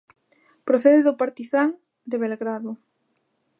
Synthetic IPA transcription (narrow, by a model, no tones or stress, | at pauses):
pɾoθɛðɪðʊpaɾt̪iθaŋ | d̪eβelɣɾaðʊ